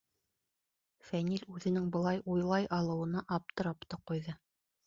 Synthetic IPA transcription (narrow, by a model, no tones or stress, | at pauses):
fænilʉðɘ̆nɘŋbɤ̆lˠɑjʔujlˠɑjɑlˠɤ̆wɤ̆nɑʔɑp̚t̪ɤ̆ɾɑpt̪ɑqujðɤ